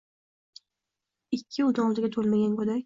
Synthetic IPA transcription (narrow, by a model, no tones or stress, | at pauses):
ɪkʲʰːɪʊd̪ɒŋlˠd̪ɪɡʲat̪ʰolmaɡʲankɵd̪akʲ